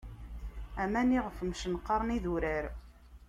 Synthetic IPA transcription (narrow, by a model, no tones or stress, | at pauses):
æmæniʁəfmʃənqːɑɾˤniðuɾəɾ